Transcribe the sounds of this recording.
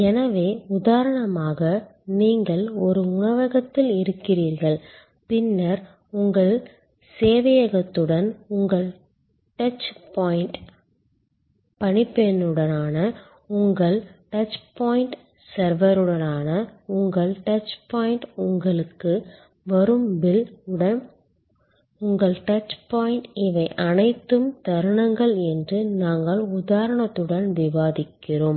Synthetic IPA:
ɛnɐʋeːʊðaːɾɐɳɐmaːɣɐniːŋɡɐɭɔɾɯʊɳɐʋɐɣɐt̪ːɪlɪɾɯkːɪriːɾɣɐɭ | pɪnːɐɾ | ʊŋɡɐɭ | seːʋɐjɐɣɐt̪ːɯɽɐnʊŋɡɐɭ | ʈɐt͡ʃpaːjɪɳʈ | pɐɳɪpːeɛnːɯɽɐnaːnɐ | ʊŋɡɐɭʈɐt͡ʃpaːjɪɳʈ | sɐɾʋɐɾɯɽɐnaːnɐʊŋɡɐɭʈɐt͡ʃpaːjɪɳʈʊŋɡɐɭɯkːɯ | ʋɐɾɯmbɪlɽɐn | ʊŋɡɐɭʈɐt͡ʃpaːjɪnʈɪʋɐɪʔɐnɐɪt̪ːɯmt̪ɐɾɯɳɐŋɡɐɭɛndrɯnaːŋɡɐɭʊðaːɾɐɳɐt̪ːɯɽɐnʋɪʋaːðɪkːɪroːm

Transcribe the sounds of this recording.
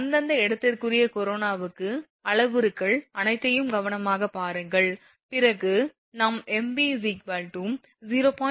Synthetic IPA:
ɐnd̪ɐnd̪ɐɛɽɐt̪ːɐrkɯrɪjɐkɔɾoːnaːʋɯkːɯ | ɐɭɐʋɯɾɯkːɐɭɐnɐɪt̪ːɐjɯmɡɐʋɐnɐmaːɣɐpaːɾɯŋɡɐɭ | pɪrɐɣɯ | nɐmɛmbisikʋaːlʈum | ziːɾoːpaː

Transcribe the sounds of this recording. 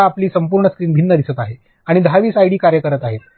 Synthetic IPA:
aːpliːsəmpuːɾɳəskɾiːnbʱinːəd̪isət̪aɦe | aɽ̃id̪əɦaʋiːsajɽiːkaɾjəkəɾət̪aɦet̪̚

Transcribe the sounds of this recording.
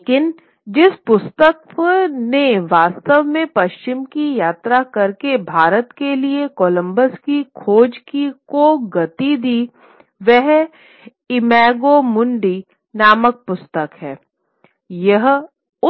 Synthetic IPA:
kɪn | d͡ʒɪspʊst̪əkneʋaːst̪əʋmẽpɐʃt͡ʃɪmkijaːt̪ɾakɐɾkebʱaːɾət̪keliekɔːlə̃mbəskikʰoːd͡ʒkikoɡɐt̪id̪iː | ʋɛɦ | ɪmɛːɡomʊ̃ɳɖi | naːmək̚pʊst̪əkɦɛː | jɐɦ | ʊ

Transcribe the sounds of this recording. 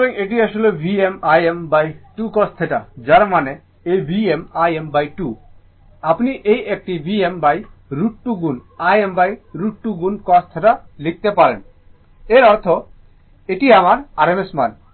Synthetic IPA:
leŋeʈ̬iaʃolebʱiemajembajʈukɔst̪ʰeʈad͡ʑaɾmane | ejbʱiemajembajʈu | apniʔejʔek̚ʈibʱiembajɾuʈʈuɡunajembajɾuʈʈuɡunkɔst̪ʰeʈalik̚t̪epaɾḛn | eɾɔɾt̪ʰo | eʈiamaɾaɾemesman

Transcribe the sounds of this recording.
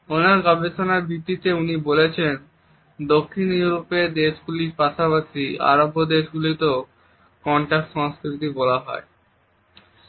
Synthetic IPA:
onaɾɡɔbet͡ɕʰonaɾbʱit̪ːit̪eunibolet͡ɕʰen | d̪okʰːinjuɾoped̪eʃɡuliɾpaʃapaʃia̰ɾobʱːod̪eʃɡulit̪o | kɔɳʈakʈʃɔŋskɾit̪ibɔlaɦɔ̰e

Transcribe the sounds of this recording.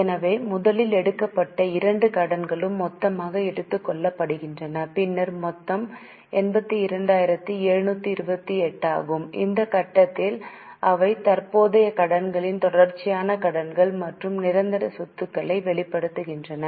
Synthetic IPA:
ɛnɐʋeːmʊðɐlɪlɛɽɯkːɐpːɐʈːɐɪɾɐɳɖɯkɐɽɐnɡɐɭɯmːɔt̪ːɐmaːɣɐɛɽɯt̪ːɯkːɔɭːɐpːɐɽɯɣɪndrɐnɐpɪnːɐɾmɔt̪ːɐm | ɛnbɐt̪ːɯɪɾɐɳɖaːjɪɾɐt̪ːɯeːɻnuːt̪ːɯɪɾɯbɐt̪ːiɛʈːa̰ːɣɯmɪ̰nd̪ɐkɐʈːɐt̪ːɪlʔɐʋɐɪt̪ɐɾpoːðɐjɐkɐɽɐnɡɐɭɪnt̪ɔɽɐɾt͡ʃːɪjaːnɐkɐɽɐnɡɐɭmɐʈrɯmnɪɾɐnd̪ɐɾɐsʊt̪ːɯkːɐɭɐɪʋɛɭɪpːɐɽɯt̪ːɯɣɪndrɐnɐ

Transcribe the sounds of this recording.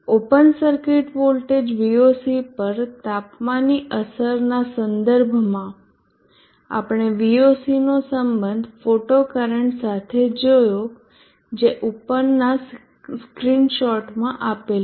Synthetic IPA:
opənsəɾkɪʈʋolʈed͡ʒʋiosipəɾt̪apmãniʔəsəɾnasənd̪əɾbʱmã | a̰pəɽ̃eʋiosinosəmbənd̪ʱfoʈokəɾəɳʈsat̪ʰed͡ʒojo | d͡ʒeʔupənːa | skɾinʃɔʈmãʔapel

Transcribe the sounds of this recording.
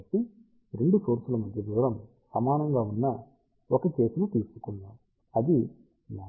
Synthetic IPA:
ʈːi | ɾe̞ɳɖusoːɾsulɐmɐd̪jɐd̪uːɾɐm | sɐmaːnɐŋɡaːunːɐ | ɔkɐt͡ʃe̞ːsinut̪iːsu̥kunːaːm | ɐd̪i | na

